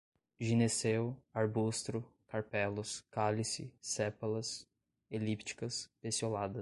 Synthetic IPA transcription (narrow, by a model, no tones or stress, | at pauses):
ʒinesewaɾbust̪ɾʊkʰaɾpɛlʊskalisɪ̰sɛpɐlɐs | elipt͡ʃi̥kɐspesiolad̪ɐ